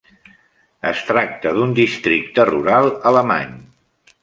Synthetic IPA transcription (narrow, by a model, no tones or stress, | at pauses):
əst̪ɾak̚t̪əðund̪ist̪ɾik̚t̪əruɾalˠələma̰ɲ